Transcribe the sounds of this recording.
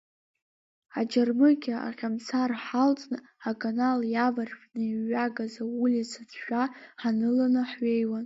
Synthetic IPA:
ad͡ʒarmɨɡʲaa̰ʁʲamt͡sʰarħalt͡sʼnɨ | akʰʼanaljavarħʷʼnɨiɥaɡazaulisat͡sʰʃʷᶣaħanɨlanɨħɥejwan

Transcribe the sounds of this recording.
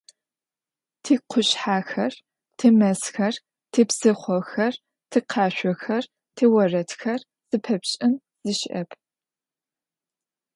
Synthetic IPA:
tʰiːqʷʰʊɕħaːxɐr | tʰɨmɐsxɐr | tʰiːbzɨχʷɔxɐr | tʰɨqʰɑːɕʷɔxɐr | tʰiːwɐrɐtʰxɐr | z̥ɨpʰɐpɕʼɪn | z̥ɨʃʔɐ̰pʰ

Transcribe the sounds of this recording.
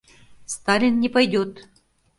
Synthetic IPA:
st̪alʲɪnːʲɪpɐjdʲot̪

